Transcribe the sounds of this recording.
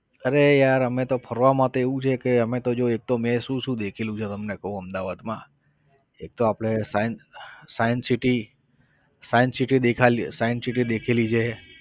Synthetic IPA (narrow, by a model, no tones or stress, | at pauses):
əɾejaɾəmet̪opʰəɾʋamãt̪eeʋũt͡ʃʰekeəmet̪od͡ʒoek̚t̪omẽʃũʃũd̪ekʰelũt͡ʃʰet̪əmnekəɦũəmd̪aʋad̪mã | ek̚t̪oapɽ̃esajnsajənsiʈi | sajənsiʈid̪ekʰalisajənsiʈid̪ekʰelit͡ʃʰe